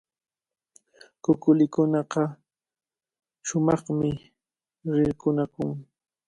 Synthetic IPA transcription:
kʊkʊlɪkʊnɑqɑ | ʃʊmɑχmɪ | ɾɪɾkʊnakʊŋ

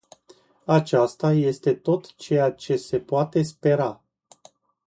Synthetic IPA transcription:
at͡ʃast̪aje̞st̪e̞t̪o̞t̪t͡ʃe̞jat͡ʃe̞se̞poat̪e̞spe̞ɾa

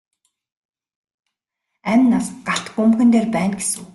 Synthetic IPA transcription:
æmʲnːasɢaɬt̪ɢɵmxɘ̆nt̪eːrpæːnɡesŭw

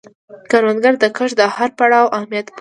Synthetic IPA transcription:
kaɾwanɡaɾd̪əkəʃd̪əhaɾpaɽɑwʔahmijat̪p

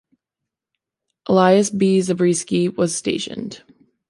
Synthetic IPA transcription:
ʔəlaɪɨsbizɨbɹiskiwʌz̥steɪʃɨ̰̃nd̥

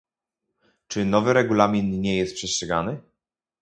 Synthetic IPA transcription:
t͡ʂɘnɔvɘɾɛɡulamʲinɲɛjɛst̪̚pʂɛstʂɛɡa̰nɘ

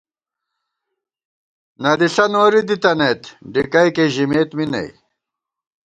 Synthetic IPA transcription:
nɐd̪isɐnoːɾid̪it̪ɐnet̪ɖikɐjkeʑimeːt̪minɐ̰j

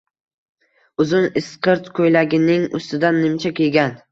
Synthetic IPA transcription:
ʊzʊnɪsqɨɾt̪kʰojlaɡʲɪnɪŋʊ̰st̪ɪd̪anːɪmt͡ʃʰakʲelɡʲan

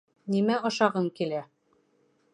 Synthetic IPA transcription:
nimæʔŏʃɑʁɤŋkilæ

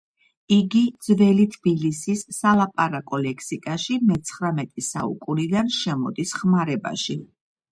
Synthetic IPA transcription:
iɡid̪zvɛlit̪ʰb̥ilisisːalˠapʼaɾakʼɔlɛkʰsikʼaʃimɛt̪sʰχɾamɛt̪ʼɛsa̰ṵkʼuɾid̪anʃɛmɔd̪isχmaɾɛba̰ʃi

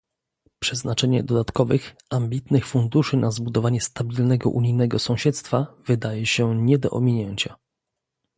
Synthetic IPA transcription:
pʂɛznat͡ʂɛɲɛd̪ɔd̪at̪kɔvɘx | amʲbʲit̪nɘxfund̪uʂɘnazbud̪ɔvaɲɛst̪abʲilnɛɡɔ̰ʔuɲijnɛɡɔsɔ̃w̃ɕɛt̪st̪favɘd̪ajɛɕɛɲɛd̪ɔʔɔmʲiɲɛɲt͡ɕa

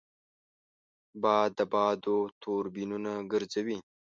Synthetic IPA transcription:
bɑːd̪ːəbɑːd̪ot̪ʰoɾbinunaɡəɾzawi

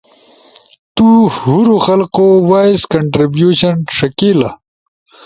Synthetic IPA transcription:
t̪uhuɾuxɐlqowaːjskɐɳʈɾibjuɕɐnʂɐkilɐ

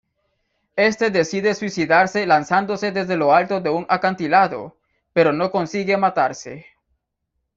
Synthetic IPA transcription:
e̞st̪e̞ðe̞siðe̞swisiðaɾse̞lansand̪o̞se̞ðe̞zðe̞lo̞alt̪o̞ðe̞uŋakant̪ilaðo̞̰ | pe̞ɾo̞no̞ko̞nsiɣe̞mat̪aɾse̞

